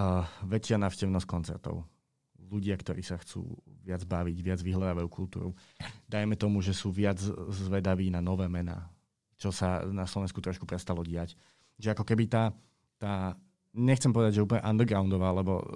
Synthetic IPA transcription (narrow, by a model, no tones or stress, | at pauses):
ʋɛt͡ʃɪanaːʊʃcɛʊnɔsckɔnt͡sɛ̰ɾt̪ɔ̰ʊ | luɟɪakt̪ɔɾiːsaxt͡sṵːʋɪad͡zbaʋiɟʋɪad͡zʋiɦlad̪aʋajukʰult̪ṵːɾu | d̪ajmɛt̪ɔmuʒɛsuːʋɪad͡zzʋɛd̪aʋiːnanɔʋɛːmɛna̰ː | t͡ʃɔsanaslɔʋɛnskut̪ɾɔʃkupɾɛst̪alɔɟɪac | ʒɛakɔkɛbit̪aː | t̪aː | ɲɛxt͡sɛmpɔʋɛd̪aɟʒɛup̬lɲɛ̰ʔand̪əɡɾaʊnd̪ɔʋaːalɛbɔ̰